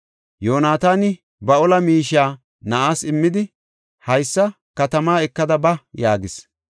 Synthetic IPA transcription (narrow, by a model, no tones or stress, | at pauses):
joːnaːt̪aːnɪ | bɐɔlɐmiːʃaː | nɐʔaːsɪmːɪd̪ɪ | hɐjsːɐ | kɐt̪ɐmaːɛkːɐd̪ɐbɐjaːɡɪs